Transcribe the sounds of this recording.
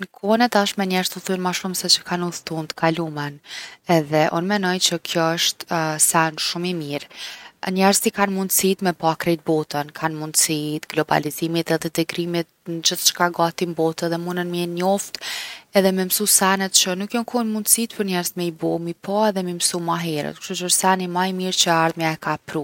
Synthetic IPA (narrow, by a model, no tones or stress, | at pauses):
nkʰɔnɛt̪aʃt̪mɛɲɛɾzt̪uθunmaʃumsɛt͡ɕə̥kʰanuθt̪unt̪ə̥kʰalumɛnɛðɛʔɔnmɛnɔjt͡ɕəkʰjɔəʃt̪sɛnʃumimiɾɲɛɾz̥t̪ikanmund̪sit̪mɛpakɾɛt̪̚bɔt̪ənkʰanmund̪sit̪ɡlɔba̰lizimit̪ɛðɛd̪ɛɡɾimit̪̚nd͡ʑəθt͡ʃə̥kaɡat̪imbɔt̪ɛðɛmunənmɛɲɔft̪ɛðɛmɛmsusanɛt̪̚t͡ɕənukjɔnkʰɔnmund̪sit̪pəɾɲɛɾzt̪mɛibɔmipʰaɛðɛmimsumaɦɛɾə̰t̪ku̥ʃt̪ut͡ʃəəʃsanimaimiɾt͡ɕəaɾðmjaɛkapɾu